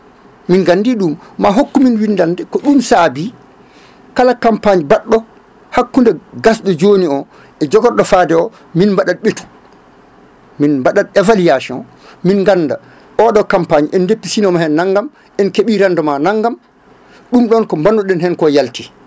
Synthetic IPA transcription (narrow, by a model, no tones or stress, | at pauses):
minɡanːdiɗumːaɦokːuminwindandɛkɔɗumsaːbi | kalakampaɲibaɗːɔ | hakːundɛɡasɗɔd͡ʒoniɔ | ʔɛd͡ʒɔɡɔɾɗɔfaːdɛɔ | minmbaɗad̚ɓetu̥ | minmbaɗadɛvaliasɔ̰n | minŋɡanːda | ʔɔɗɔkampaɲiʔɛndepːisinɔmahɛnːaŋɡam | ʔɛnkeɓiɾandɔmanaŋɡam | ɗumɗɔnkɔmbanɗɔɗɛnhɛnkɔjalti